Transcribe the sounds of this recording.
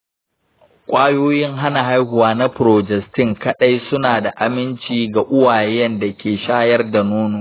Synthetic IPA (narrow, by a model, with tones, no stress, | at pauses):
kʷʼaː˦joː˦jɪ˦ŋɦa˦na˨ɦa˦jhʊ˨waː˨˦na˦pʊ˨ɾoː˨d͡ʒɛ˨ktɪ˦˨ŋkɐ˦ɗa˦jsʊ˦naː˨da˨ʔa˨mɪ˦nt͡ʃiː˦˨ɡa˨ʔʊ˦waː˨jjɛ˦nda˨kʲeː˨ʃaː˦jɐ˦rda˨noː˦nʊ˦ŋ